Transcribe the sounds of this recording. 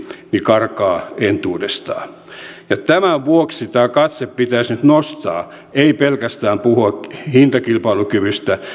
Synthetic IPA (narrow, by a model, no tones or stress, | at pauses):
nikɑrkɑːent̪uːdest̪ɑ̰ː | jɑt̪æmæʋuokssit̪æːkɑt̪seppit̪æisnyt̪nost̪ɑ̰ː | eipelkæst̪æːmpuhuɑhint̪ɑkilpɑilukyʋyst̪æ